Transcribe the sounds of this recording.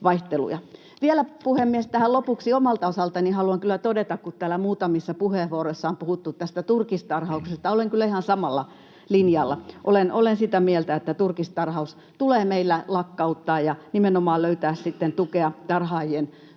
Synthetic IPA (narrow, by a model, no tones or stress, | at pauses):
ʋɑiht̪elṵjɑ | ʋielæpuhemːiest̪æhælopuksiomɑlt̪ɑosɑlt̪ɑnihɑluɑŋkylæt̪odet̪ɑkkut̪t̪æːlæmuːt̪ɑmisːɑpuheˑʋuoroisːɑompuhut̪ːut̪t̪æst̪æt̪urkist̪ɑrhɑuksest̪ɑoleŋkylːæihɑnsɑmɑlːɑ | linjɑlːɑʔolenolensit̪æmielt̪æet̪ːæt̪urkist̪ɑrhɑus | t̪uleːmeilːælɑkːɑut̪ːɑːjjɑnimenomɑːløyt̪æːssit̪ːent̪ukeɑt̪ɑrhɑːjien